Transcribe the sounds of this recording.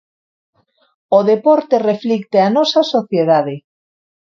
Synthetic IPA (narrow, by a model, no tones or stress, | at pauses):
oðepɔɾt̪ereflikt̪eanɔsasoθjeðaðe